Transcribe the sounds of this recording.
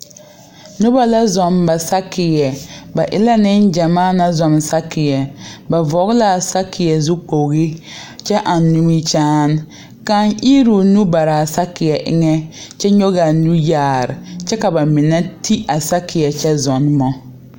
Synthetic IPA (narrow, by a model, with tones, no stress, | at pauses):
nʊ˦ba˦la˦zɔ˨mba˨sa˦kɪ˨jɛ˨ba˨ʔɪ̰˦la˦nɪ˦nd͡ʒa˨maː˦˨na˦zɔ˨msa˦kʰɪ˨jɛ˨ba˨vɔ˨˦ɣla˦˨sa˦kʰːɪ˨jɛ˨zʊ˦k͡po˨ɣi˦ | t͡ʃɛ˦ʔa˨nːu˦mi˦t͡ʃaː˦n˦ | ka˦ŋʔi˦ɾu˨nu˦ba˨ɾaː˨sa˦kɪ˨jɛ˨ʔɪ̰˦ŋɛ˦t͡ʃɛ˦ɲo˦ɣa˨nu˦jaː˦˨ɾɪ˨t͡ʃɛ˦ka˨ba˨mɪ˨nɛ˦tʰi˦a˨sa˦kʰɪ˨jɛ˨t͡ʃɛ˦zɔ˨n˦mɔ˦